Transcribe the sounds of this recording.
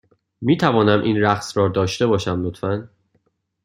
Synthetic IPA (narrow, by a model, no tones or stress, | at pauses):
miːt̪ʰævɒːnæmʔiːnræxsrɒːd̪ɒːʃt̪ebɒːʃæmnot̪fæn